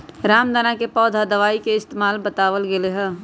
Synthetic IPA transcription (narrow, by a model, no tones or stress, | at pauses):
ɾaːmd̪aːnakepɔːd̪ʱad̪əʋaːikeɪst̪eːmaːlbət̪aːʋəlɡeleɦɛ̃ː